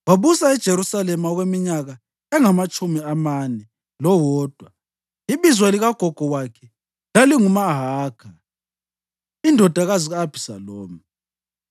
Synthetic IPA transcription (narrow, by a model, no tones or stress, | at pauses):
waβusaɛd̥ʒ̥ʱeɾusalɛmaɔɣwemiɲaɣa | ɛŋamat͡ʃʼumiamanɛ | lɔwɔːd̥ʱwa | iβizwaliɣaɡ̥ʱɔɡ̥ʱɔɣwakʰɛ | laliŋumaɦaːɡ̥ʰa | indʱɔd̥ʱaɣaziɣaːb̥ʱisa̰loːmi